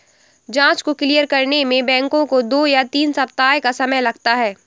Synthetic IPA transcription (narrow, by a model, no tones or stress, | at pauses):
d͡ʒãːt͡ʃkoklijəɾkɐɾnemẽbɛ̃ːŋkõkod̪oːjat̪iːnsɐp̚t̪aːjkasɐməjlɐɡt̪aɦɛː